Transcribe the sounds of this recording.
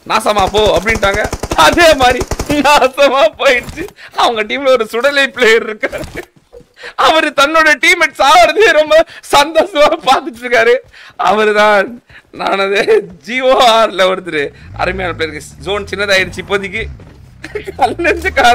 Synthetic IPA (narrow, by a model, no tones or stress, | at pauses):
naːsɐmaːpoːɐpːɐɽɪnʈːaːŋɡɐɐðeːmaːd̪ɾinaːsɐmaːpoːjɪɽɯt͡ʃːɯɐʋɐŋɡɐʈiːmɪlɔɾɯsʊɽɐlɐɪpleːɾɪɾɯkːaːɾɯ | ɐʋɐɾɯt̪ɐnːoːɽɐjɐʈiːmɛʈːsaːʋɐɾɐt̪eːɾɔmbɐsɐnd̪oːsɐmaːpaːɾt̪ɯʈːɯɾɯkːaːɾɯɐ̰ʋɐɾɯt̪ãːnaːnɐðɯd͡ʒiːoːaːɾlɐʋɐɾɯt̪̬ːɯɾɯɐ̰ɾɯmɐjaːnɐp̬ɭeːɾɯkːɐd͡ʒoːnt͡ʃɪnːɐðaːɪɾɯt͡ʃːɯpoːðɪkːɯ | kɐlːɐnɐɾd͡ʒɯkːaː